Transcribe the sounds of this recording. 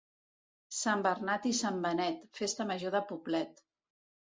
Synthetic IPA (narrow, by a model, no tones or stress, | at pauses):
sambərnat̪isambənɛt̪fest̪əməʒoðəpublɛt̪